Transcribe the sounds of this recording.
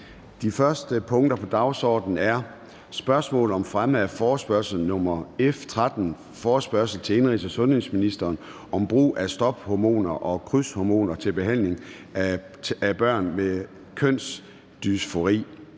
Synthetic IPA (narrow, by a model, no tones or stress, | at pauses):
d̥ifɶɐsd̥əpʰɔ̽ŋd̥ɐpʰɒ̽d̥ɑ̈ʊsɒ̰ːd̥n̩æɐ | sb̥ɶɐsmɔ̰̽ːlɒ̽mfʁaməfɒːsb̥ɶɐsl̩nɔ̽mɐeft͡sʰʁad̥n̩ | fɒːsb̥ɶɐ̰sl̩t͡sʰe̝e̝nʁḭːsɒsɔ̽nhe̝sminisd̥ɐːn | ɒ̽mb̥ʁṵːʔæsd̥ɒ̽b̥hɒmo̝̰ːnɐʔɒ̽kʰʁyshɒmo̝̰ːnɐt͡sʰe̝lb̥e̝ɦæn̰le̝ŋ | æb̥ɶɐ̰nme | kʰøn̰s | d̥ysfo̝ʁḭː